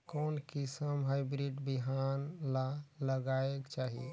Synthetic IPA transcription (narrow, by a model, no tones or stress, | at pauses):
koːnkisəmɦaɪbɾiʈbiɦanlaləɡaekt͡ʃaɦḭ